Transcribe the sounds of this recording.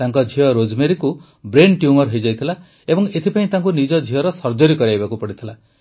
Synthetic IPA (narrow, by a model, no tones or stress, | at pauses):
aŋkɔd͡ʒʱiɔɾod͡ʒmeɾiku | bɾenʈjumɔɾɦojd͡ʒajt̪ʰila | ebɔŋet̪ʰipaĩt̪aŋkunid͡ʒɔd͡ʒʱiɔɾɔsɔɾd͡ʒɔɾikɔɾiajbakupɔɽit̪ʰila